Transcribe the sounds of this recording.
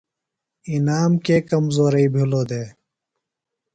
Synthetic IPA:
inaːmkeːkɐmzoːɾəiːbʱiloːd̪eː

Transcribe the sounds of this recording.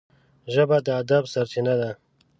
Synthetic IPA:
ʒəbad̪əːd̪absaɾt͡ʃinad̪a

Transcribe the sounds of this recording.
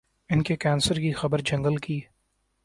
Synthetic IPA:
ɪnkekɛːnsəɾkixɐbəɾd͡ʒɐ̃ŋɡəlkiː

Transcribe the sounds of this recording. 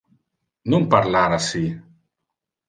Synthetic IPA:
numpaɾlaɾasi

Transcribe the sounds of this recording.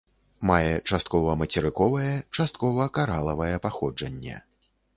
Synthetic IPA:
majɛt͡ʂast̪kɔvɐmɐt͡sʲɛɾɨkɔvɐjɛt͡ʂast̪̚kɔvɐkaɾalˠɐvɐjɛpaxɔd͡ʐɐnʲːɛ̰

